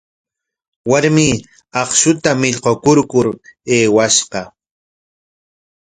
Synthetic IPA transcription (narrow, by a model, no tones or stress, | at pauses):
waɾmiː | ɑχʃʊt̪amɪʎqokʊɾkʊɾeːwaʃɢɑ